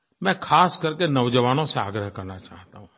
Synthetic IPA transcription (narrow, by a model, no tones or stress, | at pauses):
mɛ̃ːkʰaːskəɾkenəʋd͡ʒəʋaːnõsẽaːɡɾəɦkɐɾnat͡ʃaːɦt̪aɦũ